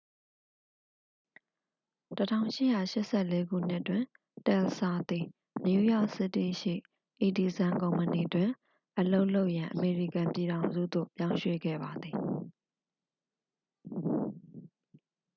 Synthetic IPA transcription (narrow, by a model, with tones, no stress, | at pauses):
tətʰã̰˦˨ʊ̃ʃɪ˦ʔja̰˦˨ʃɪ˦ʔsɛ˦˨le˦ɡṵ˦˨n̥ɪ˦ʔtːwɪ̃˨ | tɛ˨lsa˨t̪i˨ | nju˦jɔ˦˨ʔsɪ˦tːḭ˦˨ʃḭ˦˨ | ʔi˨di˨zã˨ŋkõ˨ʊ̃mpəni˨dwɪ̃˨ | ʔəlo˦ʔlo˦ʊʔjã˨ʔəme˨ɹi˦˨kã˨mpji˨ɾã˨ʊ̃nzṵ˦˨d̪o̰˦˨pjã˦ʊ̃ʃwḛ˦˨ɡɛ̰˦˨ba˨d̪ði˨